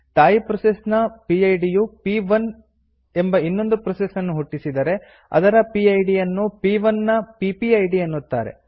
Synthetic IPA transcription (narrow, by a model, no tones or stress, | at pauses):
t̪aːjipɾɐsesnɐpiɐjɖijupiʋɐn | e̞mbɐinːo̞nd̪upɾɐsesɐnːuɦuʈːisid̪ɐɾe̞ | ɐ̰d̪ɐɾɐpiɐjɖijɐnːupiːʋɐnːɐpipiɐjɖiɐnːut̪ːa̰ːɾe̞̰